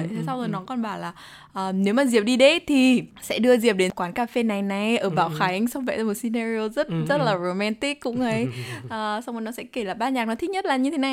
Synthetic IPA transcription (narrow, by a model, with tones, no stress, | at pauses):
t̪ʰe˨˩sa˧wzoː˨˩jnɔ˨˦kɔ˨˩nɓaː˧˩laː˨˩ | ʔəː˨˩ne˨˦wmaː˨˩zi˨˩əp̚ɗi˧ɗe˨˦t̪ʰi˨˩sɛ̰˧˥ɗɨ˧əzi˨˩əp̚ɗe˨˦nkwaː˨˦nkaː˧fe˧na˨˩jna˨˩jʔəː˧˩ɓaː˧˩wxa˨˦jŋ̟sa˧wŋ͡mvɛ̰˧˨jzaː˨˧˩mo˨˩t̚si˧naː˧ɾi˧o˧zə˦˥t̚zə˦˥t̚laː˨˩ɹo˨˩mɛ˧nt̪i˦˥kːʊ̰˧˥ŋ͡mʔə˨˦jʔəː˨˩sa˧wŋ͡mə˨˩nɔ˨˦sɛ̰˧˥ke˧˩laː˨˩ɓaː˧ɲaː˨˩k̚nɔ˨˦t̪ʰi˦˥t̚ɲə˦˥t̚laː˨˩ɲɨ˧t̪ʰe˨˦na˨j